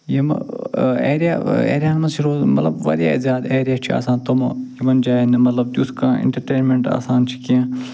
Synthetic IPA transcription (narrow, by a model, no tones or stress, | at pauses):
jemɐ̰eːɾijaḛːɾjaːnɐt͡ʃʰiɽoːmɐt̪lɐbʋɐ̰ɾja̰ːizjaːd̪eːɾijaːt͡ʃʰia̰ːsãːnt̪omjimɐnd͡ʒaːinemɐt̪lɐb̚d̪uskãːɪ̰̃ɳʈɐɾʈeːnmẽɳʈa̰ːsaːnt͡ʃʰi̥kiãː